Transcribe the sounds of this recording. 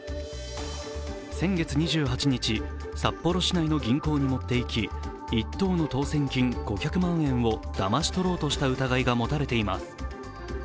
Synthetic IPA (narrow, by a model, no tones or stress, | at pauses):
sẽ̞ŋɡe̞t͡sɨɲ̟iʑɨːɦat͡ɕiɲ̟it͡ɕi | sapːo̞ɾo̞ɕinaino̞ɡʲĩŋko̞ːɲ̟imo̞t̪ːe̞ikʲi | it̪ːo̞ːno̞t̪o̞ːsẽ̞ŋkʲĩŋɡ̥o̞kʲakɯ̟mãɰ̃ẽ̞ɰ̃βo̞d̪̥amaɕi̥t̪o̞ɾo̞ːt̪o̞ɕi̥t̪aɯ̟t̪aɡaiɡamo̞t̪aɾe̞t̪e̞ima̰sɨ̥